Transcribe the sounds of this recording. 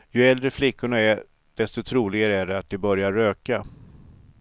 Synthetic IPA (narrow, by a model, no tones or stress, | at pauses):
jɵɛld̪ɾəflɪkːʊɳaæɾ | d̪̥ɛst̪ɔt̪ʰɾuːlɪɡaɾəæɖɛat̪̚d̪ɛbœɾjaɾːøːka